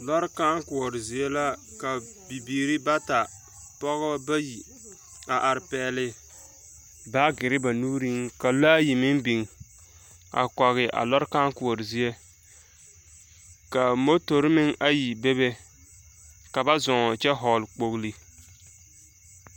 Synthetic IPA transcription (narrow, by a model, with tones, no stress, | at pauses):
lɔ˦ɾka˦ŋkʊ˨ɔ˨ɾɪ˨zi˨e˦la˦ | ka˨bi˨biː˨ɾi˦ba˦ta˨ | pɔ˦ɣba˦ji˨ | a˨ʔa˨ɾɪ˨pɛː˨˦lɪ˦ | ba˦ɡɪ˨ɾɪ˦ba˨nuː˦ɾi˦ŋka˨laː˦ji˨mɪ˦ŋbi˨ŋ˨ | a̰˨kɔ˨ɣɪ˨ʔa̰˨lɔ˦ɾka˦ŋkʊ˨ɔ˨ɾɪ˨zi˦e˦ | ka˨mo˦to˨ɾɪ˦mɪ˦ŋʔa˦ji˨be˦be˦ | ka˨ba˦zɔ˨ŋ˨t͡ʃɛ˦ɦɔ˨lk͡po˨ɣli˦